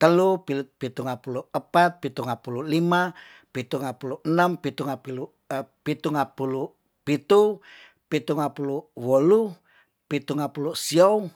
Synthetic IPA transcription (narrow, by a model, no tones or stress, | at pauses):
t̪əlupipit̪uŋapuluəpat̪̚pit̪uŋapululima | pit̪uŋapuluənəmpit̪uŋapilu | pit̪uŋapulu | pit̪u | pit̪uŋapuluwolu | pit̪uŋapulusiou